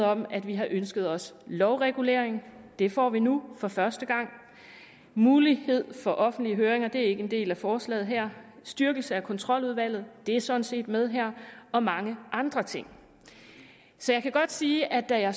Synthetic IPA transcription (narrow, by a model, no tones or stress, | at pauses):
ɒ̽mæd̥ʋiɦɑ̈ʔønsɡ̥əð̞̩ˠɒ̽slɒʊʁɛɡ̥ule̝̰ːɐ̰eŋd̥e̝fɒ̰ːʋinufɒ̽fɶɐsd̥əɡ̥ɑ̈ŋ̰ | muːlihe̝ð̞̰ˠfɒ̽ʔɒ̽fn̩d̥liəɦøːɐʁeŋɐd̥e̝æɐe̝ɡ̥əe̝nd̥e̝̰ːlæfɒːslɛ̰ːð̩ˠɦæɐ̰sd̥yɐɡ̥l̩səækʰɒ̽nt͡sʰʁɒ̽l̰uðˠʋæl̰ð̞̩ˠd̥e̝æɐsɒ̽d̥n̩se̝̰ːd̥með̞ˠɦæɐ̰ɒ̽mɑ̈ŋəʔɑ̈nd̥ʁɐt͡sʰe̝ŋ̰ | sɒ̽jɑɪkʰæɡ̥ɒ̽d̥siːʔæd̥æjɑ̈